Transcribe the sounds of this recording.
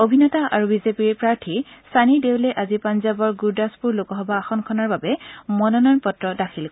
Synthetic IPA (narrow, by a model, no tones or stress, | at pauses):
obʱinɔtaʔa̰ɹubizepiɹpɹaɹtʰisanidewlɛʔazipanzabɔɹɡuɹdaspuɹlokɔɦɔbaːxɔnkʰɔnaɹbabɛmɔnɔnɔnpɔtɹɔdakʰilk